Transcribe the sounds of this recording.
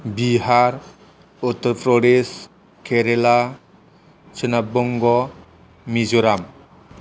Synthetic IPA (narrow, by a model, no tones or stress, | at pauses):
biɦaɾ | utːɔɾpɾɔɖes | kʰeɾela | t͡ʃɯnabɔŋɡɔ | mizuɾam